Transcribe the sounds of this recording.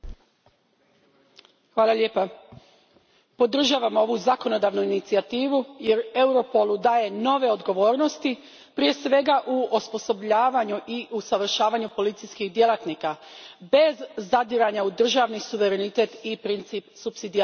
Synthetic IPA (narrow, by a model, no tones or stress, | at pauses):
xʋaːlˠaʎe̞ːpa | po̞d̪r̩ʒaːʋamo̞ʋuzako̞no̞d̪aːʋnuinit̪siat̪iːʋuje̞ɾe̞wɾo̞po̞lˠud̪aːje̞no̞ʋe̞o̞d̪ɡo̞ʋo̞ːɾno̞st̪i | pɾije̞sʋe̞ɡaʔuospo̞so̞bʎaːʋaɲuʔiʔusaʋr̩ʃaːʋaɲupo̞lit̪sijskiɣd̪je̞lˠat̪nikabe̞zːad̪iɾaɲaud̪r̩ʒaʋnisuʋe̞ɾe̞nit̪e̞t̪ipɾint̪siːpsupsid̪i